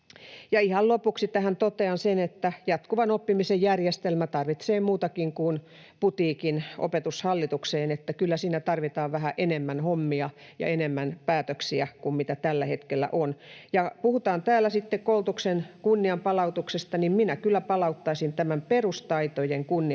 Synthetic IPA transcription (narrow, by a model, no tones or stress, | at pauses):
jɑihɑllopuksit̪æhænt̪ot̪eɑnsenet̪ːæjɑt̪kuʋɑnopːimisejjærjest̪elmæt̪ɑrʋit̪seːmuːt̪ɑkiŋkun | put̪iːkinʔo̰pet̪ushɑlːit̪ukseːnet̪ːækylːæsiːnæt̪ɑrʋit̪ɑːʋʋæhæʔenemːænhomːiɑ | jɑ̰enemːænpæːt̪øksiækummit̪æt̪ælːæhet̪kelːæ̰ʔonjɑpuhut̪ɑːnt̪æːlːˑæsit̪ːekkoult̪uksenkunːiɑmpɑlɑut̪uksest̪ɑnimminækylːæpɑlɑut̪ːɑisint̪æmæmperust̪ɑit̪ojeŋkunːi